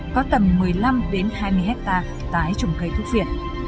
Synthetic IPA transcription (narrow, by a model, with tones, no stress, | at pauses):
kɔ˨˦t̪ə˨˩mːɨ˨˩əjla˧mɗe˨˦nhaː˧jmɨ˧əjɦɛ˦˥k̚t̪aː˧ | t̪aː˧˩jt͡ɕə˨˧˩wŋ͡mxə˧˩jt̪ʰu˦˥vḭ˧˨ən